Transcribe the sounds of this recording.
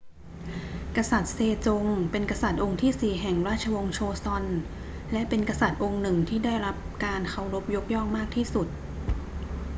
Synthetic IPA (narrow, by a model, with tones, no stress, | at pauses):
ka˧sa˨˩t̪̚seː˧t͡ɕo˧ŋpe˧nka˧sa˨˩t̪̚ʔo˧ŋt̪ʰiː˥˩siː˨˩ɦɛ˨˩ŋɾaː˥˩t̪̚t͡ɕʰa˧wo˧ŋt͡ɕʰoː˧sɔ˧n | lɛ˦˥ʔpe˧nka˧sa˨˩t̪̚ʔo˧ŋnɯ˨˩ŋt̪ʰiː˥˩daː˥˩jɾa˦˥p̚kaː˧nkʰa˧˥˩wɾo˦˥p̚jo˦˥k̚jɔ˥˩ŋmaː˥˩k̚t̪ʰiː˥˩su˨˩t̪̚